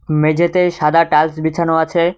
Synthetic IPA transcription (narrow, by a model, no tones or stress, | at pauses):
med͡ʑʱet̪eʃad̪aʈalsbit͡ɕʰanoat͡ɕʰe